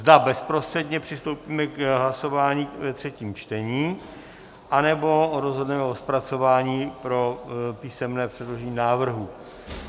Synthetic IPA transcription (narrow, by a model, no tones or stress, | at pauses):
zd̪abɛspɾo̞st̪r̥ɛdɲɛpr̝̥ɪst̪owpiːmɛkɦlaso̞vaːɲiːvɛt̪r̝̥ɛciːmt͡ʃt̪ɛɲiː | ʔanɛbo̞ɾozɦo̞dnɛmɛospɾat͡so̞vaːɲiːpɾo̞piːsɛmnɛːpr̝̥ɛdlo̞ʒɛɲiːnaːvr̩ɦu